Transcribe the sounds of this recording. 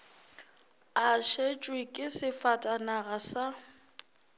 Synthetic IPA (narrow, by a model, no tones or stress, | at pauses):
aʃet͡ʃʼwɪkʼɪsɪfatʼanaɣasa